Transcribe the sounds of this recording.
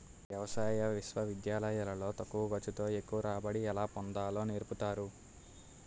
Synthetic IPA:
ʋjɐʋɐsaːjɐʋiʃʋɐʋid̪jaːlɐjalɐlo̞ːt̪ɐkːuʋɐɡɐt͡ʃːut̪o̞ːe̞kːuʋɐɾaːbɐɽiɛlaːpond̪aːlo̞ːneːɾput̪aːɾu

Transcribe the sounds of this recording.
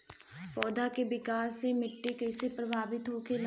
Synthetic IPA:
pɔːd̪akebɪkaːsːemɪʈːikɛːsepɾɐbʱaːʋɪt̪ɦokel

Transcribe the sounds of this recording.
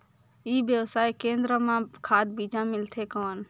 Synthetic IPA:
iːbjəwsaːikẽːnd̪ɾəmãkʰaːd̪biːd͡ʒãmɪlt̪ʰekɔːn

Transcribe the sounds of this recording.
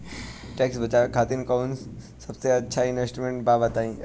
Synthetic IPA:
ʈeksbət͡ʃakʰat̪inkəuns | sɐbseɐtːʃʰainʋesʈɾimẽɳʈ̚baːbət̪aĩ

